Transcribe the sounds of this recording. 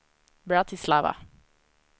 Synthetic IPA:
bɹat̪ʰɪslavə̰

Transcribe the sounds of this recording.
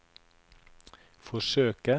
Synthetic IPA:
fɔʃøːkə

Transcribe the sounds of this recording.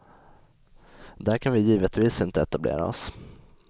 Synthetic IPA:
d̪æɾkʰanvɪjiːvət̪viːsɪnt̪əɛt̪ablḛːɾa̰ɔ̰s

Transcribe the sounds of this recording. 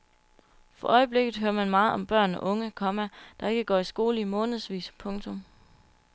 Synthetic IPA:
fɒ̽ʔɒ̽ɪəb̥le̝ɡ̥ð̩ˠɦøːɐmænmɑ̈ːð̩ˠɒ̽mb̥ɶɐ̰nɒʔɔ̽ŋəkʰɒ̽mæd̥ɑ̈e̝ɡ̥əɡ̥ɒ̰ːisɡ̥o̝ːləimɔ̽ːnð̩ˠsʋḭːspʰɔ̽ŋt͡sʰɔ̽m

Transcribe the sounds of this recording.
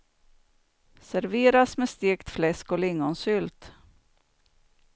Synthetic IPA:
sæɾveːɾasmɛst̪ɪkt̪flɛskɔlɪŋːɔnsʏlt̪

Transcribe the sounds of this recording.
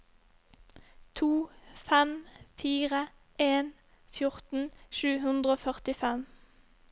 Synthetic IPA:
t̪ʰuːfɛmfiːʁə | eːn | fjʊʁt̪n̩ʃʉːhʉnd̪ʁəoːfœʁt̪ɪfɛm

